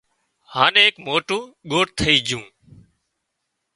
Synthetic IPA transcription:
haːneekmoːʈũːɠoːʈ̚t̪ʰəiːd͡ʒũː

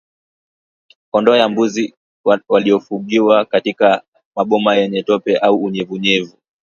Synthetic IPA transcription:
kɔndɔjambuzi | waliɔfuɡiwakatika | maɓɔmajɛɲɛtɔpɛʔauːɲɛvuɲɛvu

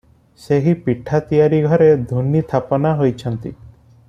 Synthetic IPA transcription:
seɦipiʈʰat̪ijaɾiɡʱɔɾed̪ʱunit̪ʰapɔnaɦojt͡ʃʰɔnt̪i

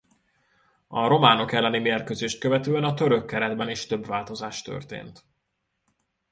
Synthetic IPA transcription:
ɒɾo̞maːno̞kɛlːɛnimeːrkøːzeːʃt̪̚køvɛt̪øːɛnɒt̪øɾøkːɛɾɛd̪bɛniʃt̪ø̞bvaːlt̪o̞zaːʃt̪ø̰rt̪ḛːnt̪

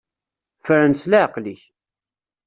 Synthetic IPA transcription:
fəɾænslæʕəqliç

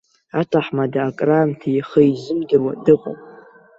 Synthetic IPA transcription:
atʰaħmadaːkʼraːmtʰaiχəizɨmdɨrwadɨqʷʼa̰mʼ

